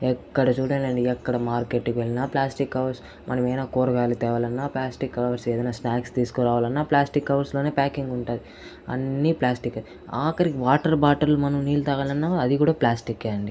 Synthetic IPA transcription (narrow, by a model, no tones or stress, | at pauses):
ɛkːɐɽɐt͡ʃuːɽaːlɐɳɖiɛkːɐɽɐmaːɾke̞ʈːkiʋeɭinaːplaːsʈikːɐʋɐɾs | mʔɐ̰nɐmɐjnaːkoːɾɐɡaːlit̪ɛːʋɐlɐnːaːplaːsʈikːɐʋɐʋɐɾseːd̪ɐjnaːsnaːkst̪iːsu̥kɔɾaːʋaːlɐnːaːplaːsʈikːɐʋɐɾslo̞ːne̞ːpaːkiŋɡuɳʈaːd̪i | ɐ̰nːiplaːsʈikːɐ | aːkɐɾikiʋaːʈɐɾbaːʈɐɾlumɐnɐmniːlut̪ɐɡaːlɐnːaːɐd̪ikuːɽaːplaːsʈikːeɐɳɖi